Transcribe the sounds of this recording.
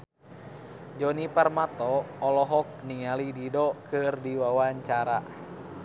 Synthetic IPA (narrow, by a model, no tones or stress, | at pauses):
d͡ʒɔniparmat̪ɔːlɔɦɔk̚niŋalididɔkɨrdiwawaɲt͡ʃaɾa